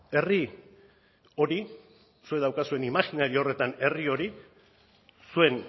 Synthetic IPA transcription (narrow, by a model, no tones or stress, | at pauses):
e̞ri | o̞ɾi | sue̞ðawkasue̞nimaxinaɾio̞re̞t̪ane̞rio̞ɾi | sue̞n